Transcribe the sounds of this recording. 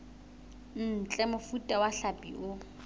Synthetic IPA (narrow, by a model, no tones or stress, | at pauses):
n̩ːt͡ɬʼɛmʊfutʼawaɬapʼḭʔʊ